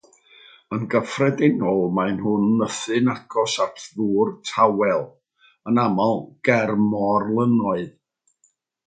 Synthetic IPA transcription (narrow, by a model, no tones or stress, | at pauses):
ənɡəfrɛdɪnɔlˠmaɨnhʊnːəθɨnakʰɔsatʰðuːrtʰawɛlˠ | ənamɔlˠɡ̥ɛrmɔrlˠənɔɨð